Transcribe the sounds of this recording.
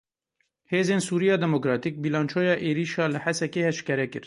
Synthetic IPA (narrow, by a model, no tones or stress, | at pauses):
heːzeːnsuːɾijɑːd̪ɛmokɾɑːt̪ik̚biːlɑːnt͡ʃʰoːjɑːʔeːɾiːʃɑːlɨħɛsɛkeːhɛʃkɛɾɛkɨɾ